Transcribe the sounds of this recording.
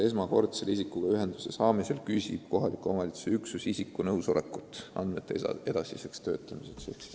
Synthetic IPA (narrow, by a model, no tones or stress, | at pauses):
e̞smɑko̞rt̪selisikːˑuɡ̥ɑyɦe̞nd̪̥usesɑːmeselkysʲib̥̚ko̞ɦɑlikːˑuomɑlit̪su̥seyksusisikːˑunɤwso̞lʔḛkːˑut̪ːˑɑ̰nd̪met̪ːˑḛe̞d̪̥ɑsise̞kst̪ø̞̰ːt̪ˑːɑmisekseksi̥